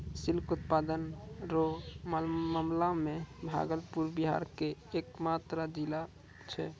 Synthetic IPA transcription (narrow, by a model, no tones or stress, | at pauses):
silkut̪pad̪ənɾommamlamebʱa̰ɡəlpuɾbiɦa̰ɾkeːkmat̪ɾad̪ila | t͡ʃʰɛ̰